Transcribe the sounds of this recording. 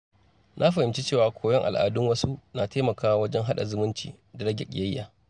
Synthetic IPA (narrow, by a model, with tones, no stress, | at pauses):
nʔa˦ɸɐ˨ɪ˨mt͡ʃi˦t͡ʃeː˦˨waː˨kʷʰoː˨˦jɔ˦ŋʔa̰˨lʔa̰ː˨dʊ˦ŋwɐ˦su˦naː˨teː˦mɐ˨kaː˦wa˦wɐ˦d͡ʒɛ˦ŋɦa˦ɗa̰˨zʊ˦mʊ˦nt͡ʃḭː˨ | da˨ɽɐ˦ɡʲḛ˨kʲɪ̰˨jɐ˦jːa̰ː˨